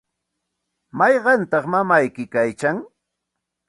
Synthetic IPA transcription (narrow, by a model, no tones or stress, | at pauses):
mɑjɢɑnt̪ɑχmamajkɪkajt͡ʃaŋ